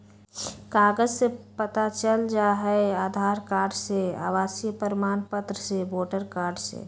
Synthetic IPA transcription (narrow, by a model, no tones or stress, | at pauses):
kaːɡəd͡ʒsepət̪at͡ʃəld͡ʒaɦɛeaːd̪ʱaːɾkaːɾɖsea̰ːʋaːsjəpəɾɪmaːnpət̪ɾəseboːʈəɾkaːɾɖsḛ